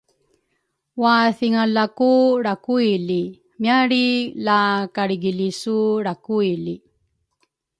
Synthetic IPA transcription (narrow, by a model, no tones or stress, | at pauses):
waθiŋalakuɾakuili | mjaɾilakaɾiɡilisuɾakuili